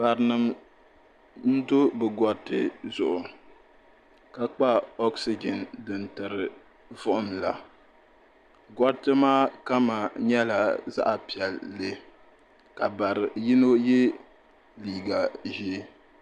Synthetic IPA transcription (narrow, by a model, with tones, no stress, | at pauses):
ba˨ɾɨ˨nɨ˨m | n̩˦do˦bɨ˨ɡɔ˦tːɨ̰˦zʊ˨ʔʊ˨ | ka˨k͡pa˦ɔ˦ksi˦d͡ʒɛ˨ndɨ˨ntɨ˨ɾɨ˨ | vʊ˦ʔʊ˦mla˨ | ɡɔ˦tːɨ˦maː˦ka˦ma˨ɲɛ˦la˨za̰˦ʔa˨pi˨ɛ˨lːe˦ | ka˨ba˨ɾɪ˨ji˦no˦jɛ˦ | liː˦˨ɡa˨ʒi˦